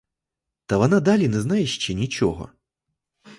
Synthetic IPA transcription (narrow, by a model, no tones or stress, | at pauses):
t̪ɐʋɐnad̪alʲinɛznajɛʃt͡ʃɛnʲit͡ʃɔɣɔ̰